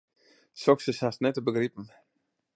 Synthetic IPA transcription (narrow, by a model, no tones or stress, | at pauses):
sɔksəsastnɛtəbəɡripn̩